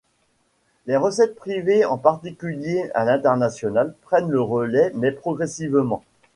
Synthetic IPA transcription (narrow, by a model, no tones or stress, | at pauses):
lɛʁəsɛt̪̚pχiveɑ̃paʁt̪ikʲyljea̰lɛ̃t̪ɛʁnasjɔnalpχɛnləʁəlɛmɛpχɔɡʁɛsivmɑ̃